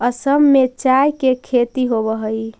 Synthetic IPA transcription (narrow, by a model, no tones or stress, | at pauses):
əsəmːet͡ʃajkekʰet̪iɦobəɦəj